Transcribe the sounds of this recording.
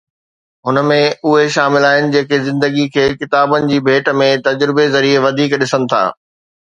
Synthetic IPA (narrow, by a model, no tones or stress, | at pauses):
ɦʊnəmẽʊɦeʃaːmɪlaːɦɪnɪ̆d͡ʑeːkezɪ̃nd̪əɡikʰeːkɪt̪aːbənɪ̆d͡ʑiːbʱeːʈə̆mẽt̪ɐd͡ʑɾɪbezɐɾieʋɐd̪ʱiːkɗɪsənɪ̆t̪ʰa̰ː